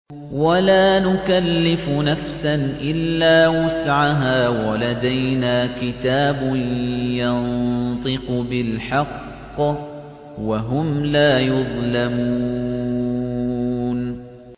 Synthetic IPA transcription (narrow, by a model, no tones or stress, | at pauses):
walaːnʊkalːɪfʊnafsanʔɪlːaːwʊsʕaɦaːwalad̪ajnaːkɪt̪aːbʊnjɑnt̪ˤɨqʊbɪlħɑqː | waɦʊmlaːjʊðˤlamuː | n